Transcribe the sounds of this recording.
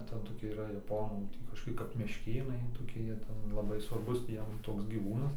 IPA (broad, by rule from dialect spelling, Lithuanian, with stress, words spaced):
ˈtʲɛn toːˈkʲiɛ iːˈrɐ jɛˈpoːnuː ˈtʲiː kɐʃkoːˈkʲɪ kɐp mʲɛʃʲˈkʲeːnɐɪ toːˈkʲɪ ˈjiɛ ˈtʲɛn lˠɐˈbɐɪ sʋɐrˈbʊs tʲiː ˈjiɛm ˈtoːks ɡʲiːˈʋuːnɐs